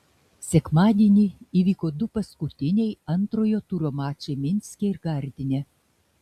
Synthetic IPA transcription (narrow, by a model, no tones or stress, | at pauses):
sʲɛkmɑːd̪ʲeːnʲiiʋʲiːkod̪ʊpɐskʊt̪ʲɪnʲɛjɐnt̪ɾoːjoːt̪uːɾomɑːt͡ʃʲemʲɪnʲsʲkʲeɪrɡɑɾʲd̪ʲɪnʲe